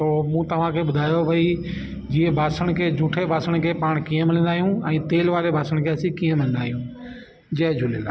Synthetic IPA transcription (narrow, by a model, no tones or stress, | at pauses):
t̪oːmũːt̪ɐʋ̤ãkʰeɓʊd̪ʱaːjobʱɐi | d͡ʑiẽbʱaːsəɽ̃kʰeːd͡ʑʱuːʈʰebʱaːsəɽ̃kʰeːpaːɽ̃kiːə̃mɪlɪ̃nd̪aːɦijũɛ̃ːt̪eːlʋaːɾebʱaːsəɽ̃kʰeɐsikiːə̃mɪlɪ̃nd̪aːɦijũ | d͡ʑɐɦd͡ʑʱʊlela̰ː